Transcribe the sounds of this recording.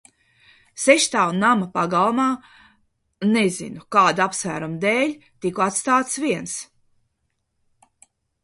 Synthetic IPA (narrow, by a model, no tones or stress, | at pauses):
seʃt̪aːunːamɐpaɡalˠmaː | nezḭnukaːd̪apsvæ̰ːɾumd̪ɛːlʲt̪ikuat̪st̪aːt̪sviɛns